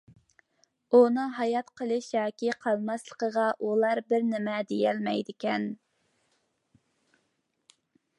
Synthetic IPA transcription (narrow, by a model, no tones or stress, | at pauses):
unɨɦɑjɑt̪qʰəlˠɨʃjɑːkʲiqʰɑlˠmɑslˠəqəʁɑʔulˠɑɾbɪɾnɪmɛd̪ejɛlmɛjd̪ɪkʲʰɛn